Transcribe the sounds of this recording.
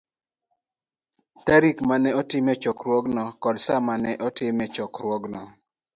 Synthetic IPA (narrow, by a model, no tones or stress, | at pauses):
t̪ɛɾikmanɛɔtɪmɛt͡ʃɔkɾwɔɡnɔkɔlsamanɛʔɔtɪmɛt͡ʃɔkɾwɔɡnɔ